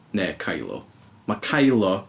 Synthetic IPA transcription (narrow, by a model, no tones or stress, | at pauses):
nɛkʰajlˠɔ̰ | makʰajlˠɔ